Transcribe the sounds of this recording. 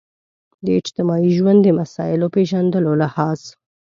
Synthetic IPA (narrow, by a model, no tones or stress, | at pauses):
d̪əɪd͡ʒt̪ɪmɑiʒwand̪ːəmasɑ̰ɪlopeʒand̪əlolahɑz